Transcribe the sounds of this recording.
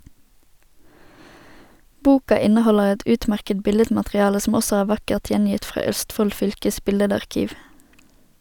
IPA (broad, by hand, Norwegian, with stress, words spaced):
ˈbuːkɑ ˈɪnəˌhɔləʁ ˈɛt ˈʉːtˌmæʁkəd ˈbɪlədmɑtʁɪˌɑːlə sm̩ ˈɔsɔ ˈæːʁ ˈʋɑkəʁt ˈjɛnjɪt ˈfʁɑː ˈœstˌfɔl ˈfʏlkəs ˈbɪlədɑʁˌkiːʋ